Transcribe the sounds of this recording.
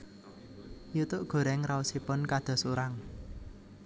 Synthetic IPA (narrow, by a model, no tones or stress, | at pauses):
jut̪ʊʔɡ̥o̤ɾɛŋrausipʊnkad̪̥ɔ̤suɾaŋ